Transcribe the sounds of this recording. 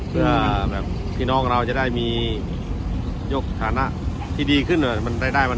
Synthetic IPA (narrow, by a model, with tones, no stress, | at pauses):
mʰɯ˥˩ɐɐbɛː˨˩p̚ | pʰːiː˥˩nɔː˦˥˩ŋɾa˧wt͡ɕa˨˩daː˥˩jmiː˧ | joː˦˥˩k̚t̪ʰaː˧na˧˥ʔ | t̪ʰiː˥˩diː˧kʰɯ˥˩na˧˩ma˧nɾaː˧˩daː˥˩jma˧